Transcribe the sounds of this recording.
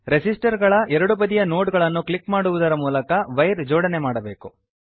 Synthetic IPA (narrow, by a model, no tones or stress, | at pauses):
ɾesisʈɐɾɡɐɭɐʔɛɾɐɽubɐd̪ijɐnoːʈɡɐɭɐnːukɭikmaːɽuʋud̪ɐɾɐmuːlɐkɐʋɐjɾd͡ʒoːɽɐnemaːɽɐbe̞ːku